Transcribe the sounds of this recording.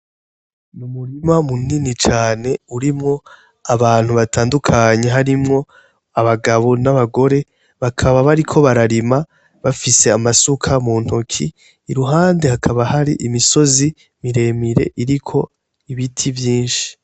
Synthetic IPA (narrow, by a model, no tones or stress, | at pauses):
numuɾimamuninit͡ʃaːne̞uɾimŋo̞ | aβaːn̥huβataːndukʰaɲe̞ɦaɾimŋo̞ | aβaɡaβo̞naβaɡo̞ɾe̞ | βakʰaβaβaɾikʰo̞βaɾaɾima | βafise̞amasukʰamuːn̥hokʰḭː | ɾuɦaːnde̞hakʰaβahaɾiʔimiso̞zi | miɾe̞miɾe̞̰ʔiɾikʰo̞ | iβitʰivjiːnʃi̥